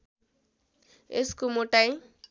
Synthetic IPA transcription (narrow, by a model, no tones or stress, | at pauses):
eskomoʈaj